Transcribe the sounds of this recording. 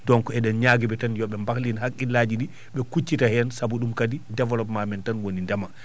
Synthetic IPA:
dɔŋkɔɛɗɛnɲaːɡɛbɛtanjɔɓɛmbaklinhakːinlad͡ʒiɗi | ɓɛkut͡ʃːitahɛnsabuɗumkadidɛvɔlɔpmamɛntanwonindama

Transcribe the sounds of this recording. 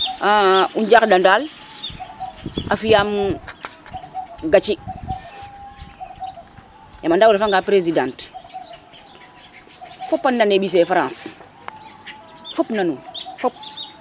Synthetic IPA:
auɲd͡ʒakdandal | afijam | ɡat͡ʃi | jamandawulafaŋɡapɾezidãnt | fopːanːaneɓis̬efaɾãns | fopnanufɔp̚

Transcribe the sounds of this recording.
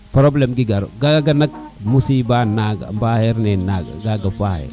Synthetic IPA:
pɾoblɛmɡiɡaɾo̰ɡaɡaɡanak̚musibanaɡa̰mbahɛɾnɛnaɡa̰ɡaɡapahɛ̰

